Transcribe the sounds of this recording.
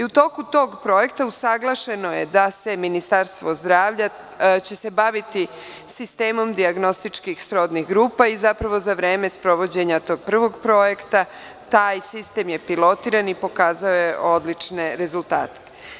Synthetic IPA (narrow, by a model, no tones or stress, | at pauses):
iut̪o̞kut̪o̞ːɡpɾo̞je̞kt̪ausaɡlˠaʃe̞no̞je̞d̪ase̞minist̪aɾst̪ʋo̞zd̪ɾaːʋʎa | t͡ɕe̞se̞baʋit̪i | sist̪e̞ːmo̞md̪iaɡno̞st̪it͡ʃkixsɾo̞d̪niɣɡɾuːpaizapɾaʋo̞zaʋɾe̞ːme̞spɾo̞ʋo̞d͡ʑe̞ɲat̪o̞ːɡ̚pr̩ʋo̞ɡpɾo̞je̞kt̪a | t̪aːjsist̪e̞ːmje̞pilˠo̞t̪iːɾanipo̞kaːzaoje̞ʔo̞d̪lit͡ʃne̞ɾe̞zulˠt̪a̰ːt̪e̥